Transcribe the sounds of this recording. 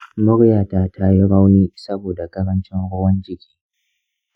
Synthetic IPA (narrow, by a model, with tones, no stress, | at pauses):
mʊ˦ɽjaː˨ta˦tʰa˦jɪ˦ɽa˦wniː˦sɐ˦boː˨da˨ɡɐ˦ɽɐ˦nt͡ʃɪ˦ŋɽʷoː˦wɐ˦nd͡ʒɪ˦kʲi̥ː˦